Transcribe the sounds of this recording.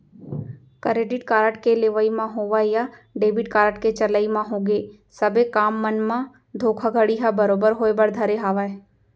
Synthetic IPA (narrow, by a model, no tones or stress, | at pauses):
kəɾeːɖɪʈkaːɾəʈkeleːʋəimãɦoːʋaejaɖeːbɪʈ̚kaːɾəʈket͡ʃələimãɦõːɡeː | səbekaːmːənmã | d̪ʱoːkʰaɡʱəɽiɦabəɾoːbəɾɦoːebəɾd̪ʱəɾeɦaːʋaːe